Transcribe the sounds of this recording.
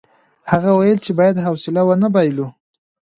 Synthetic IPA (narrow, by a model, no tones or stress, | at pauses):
haɣawajəlt͡ʃebɑjad̪ɦawsɪlawənabajlu